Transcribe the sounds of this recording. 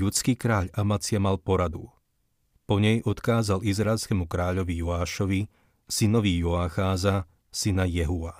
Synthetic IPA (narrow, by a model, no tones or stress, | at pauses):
ʎut͡skiːkɾaːʎamat͡sɪamalpɔɾad̪u | pɔɲɛjʔɔt̪kaːzalizɾaɛlskɛmukɾaːʎɔʋijuaːʃɔʋi | sinɔʋijɔaxaːza | sinajɛɦuʋa